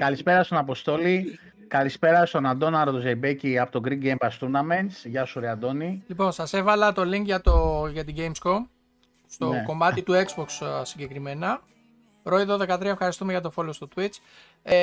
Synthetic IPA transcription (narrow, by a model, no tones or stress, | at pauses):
kɐlispe̞ɾɐst̪onɐpo̞st̪o̞li | kɐlispe̞ɾɐst̪o̞nɐnd̪o̞nɐɾot̪ozejbeciɐpot̪oɡɾiɡɡejmbɐst̪unɐment̪sʝɐsuɾiɐnd̪o̞nilipo̞nsɐse̞vɐlɐt̪o̞liŋkʝɐt̪oʝɐt̪iɟe̞jmsko̞m | st̪o̞ko̞mɐt̪it̪ue̞kzbo̞kssiɲɟe̞kɾime̞nɐ | ɾo̞iðoðe̞kɐt̪ɾiɐefxɐɾist̪umeʝɐt̪o̞fo̞lost̪o̞t̪wit͡s